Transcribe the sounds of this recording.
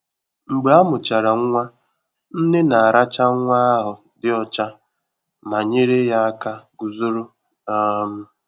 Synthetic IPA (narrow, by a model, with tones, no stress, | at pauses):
ŋ͡m̩˨ɡ͡be˨˦a˦mʊ˨t͡ʃa˨ɾa˨ŋ˦ŋʷa˦ | n̩˦ne˦na˨a˨ɾa˦t͡ʃa˦ŋ̩˦ŋʷa˦ɦʊ˨ | dɪ˦ɔ˨t͡ʃa˦ | ma˨ɲe˦ɾe˦ja˦a˦ka˦ɡu˨zo˦ɾo˦ | ɔ˦m̩˦